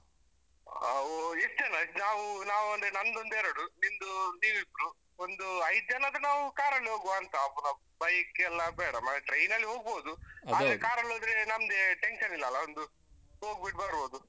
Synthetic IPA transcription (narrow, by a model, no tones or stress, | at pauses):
isd͡ʒɐnɐnaːʋunaːʋuɐnd̪ɾenɐnd̪ond̪eːɾoɽunimd̪uniːʋib̪ɾu | ond̪uɐjd̪̚d͡ʒɐnɐd̪ɐnaːʋukaːɾɐɭːɦoːɡʋaːnt̪ɐːpːunɐ | bɐjɐkːeːlːɐbɛːɽɐmːɐʈɾejnɐlːiɦoːɡ̚boːd̪uaːɾekaːɾɐɭɦoːd̪ɾenɐmd̪eʈe̞nʃɐnilːɐːlːɐond̪u | oːɡbiʈbɐɾɾboːd̪u